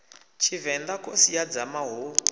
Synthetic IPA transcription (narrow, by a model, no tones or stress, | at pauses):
t͡ʃʰivɛnd̪akosijad͡zamaɦo